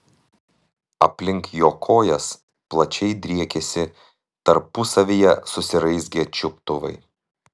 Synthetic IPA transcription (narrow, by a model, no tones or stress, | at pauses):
ɐpʲlʲɪŋkjoːkʰoːjɛs | plˠɐt͡ʃʲɛɪd̪ʲɾʲiɛkʲesʲɪ | t̪ɐɾpʊsɐʋʲijɛsʊsʲɪɾɐɪsʲɡʲɛt͡ʃʲʊp̚t̪ʊʋɐ̰ɪ